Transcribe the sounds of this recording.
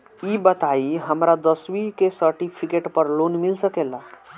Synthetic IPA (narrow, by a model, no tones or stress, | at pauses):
ibət̪aiɦəmɾad̪əswikesəɾʈipʰikeʈpəɾlonmilsəkela